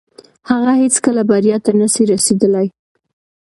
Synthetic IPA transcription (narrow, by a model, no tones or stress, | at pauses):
haɣahet͡skəlabaɾjɑt̪anasiɾased̪əlaj